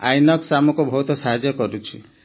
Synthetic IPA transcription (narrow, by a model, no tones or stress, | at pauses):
a̰jnɔksamɔkubʱɔɦut̪ɔsaɦad͡ʒjɔkɔɾut͡ʃʰi